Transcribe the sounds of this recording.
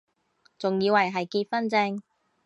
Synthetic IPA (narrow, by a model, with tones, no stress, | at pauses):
t͡sʊ˨ŋjiː˨˧wɐ˨˩jɦɐ˨jkiː˧t̚fɐ˥nt͡sɪ˧ŋ